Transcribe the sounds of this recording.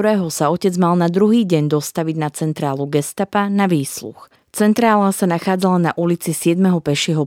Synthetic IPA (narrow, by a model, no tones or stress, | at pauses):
ɾɛːɦɔsaɔcɛd͡zmalnad̪ɾuɦiːɟɛɲd̪ɔst̪aʋiɟnat͡sɛnt̪ɾaːluɡɛst̪apanaʋiːslṵx | t͡sɛnt̪ɾaːlasanaxaːd͡zalanaʔulit͡sisɪɛd̪mɛɦɔpɛʃɪɛɦɔ